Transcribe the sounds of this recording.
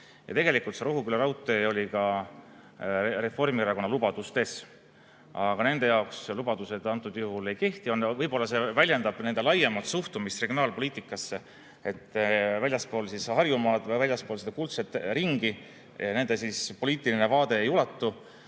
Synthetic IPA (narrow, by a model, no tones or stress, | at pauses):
jʔɑ̰t̪e̞ɡe̞likˑult̪se̞ɾoɦukyleɾɑwt̪ːˑeo̞lʲikɑ | re̞fo̞rmieɾɑko̞nːɑlub̥ɑd̪̥ust̪e̞s | ʔɑɡ̥ɑne̞nd̪e̞jɑokslub̥ɑd̪̥use̞d̪̥ɑnt̪ːˑud̪̥juɦule̞jke̞ht̪io̞nːvɤjbo̞lːɑse̞vælʲjend̪ɑb̥ne̞nd̪̥e̞lɑjemɑt̪suht̪umist̪re̞ɡijo̞nɑːlpo̞lʲiːt̪ːˑikːˑɑsːe | et̪ːˑvælʲjɑspo̞ːlsishɑrjumɑːd̪̥vælʲjɑspo̞ːlsed̪ɑkult̪set̪ːˑriŋɡi | ɑne̞nd̪̥e̞sispo̞lʲiːt̪ːˑiline̞vɑːd̪̥e̞ːjulɑt̪ːu